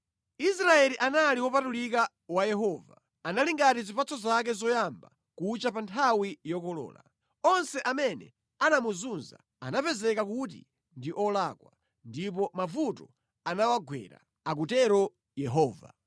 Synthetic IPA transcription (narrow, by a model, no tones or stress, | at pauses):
isɾaɛliʔanaliwɔpatulika | wajɛɦɔːva̰ | analiŋɡatizipat͡sɔzak̬ɛzɔjamba | kut͡ʃapantʰawijɔkɔlɔ̰ːla̰ | ɔnsɛʔamɛnɛ̰ | anamuzunza̰ | a̰napɛzɛkakutḭ | ndiʔɔlaːkwa̰ | ndipɔmavutɔ | anawaɡʱwɛ̰ɾa̰ | akutɛɾɔ | jɛɦɔːva̰